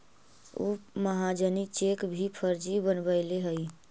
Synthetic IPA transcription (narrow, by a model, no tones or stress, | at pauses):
ṵməɦad͡ʒənit͡ʃekbʱipʰəɾd͡ʒibənbəɪleɦəɪ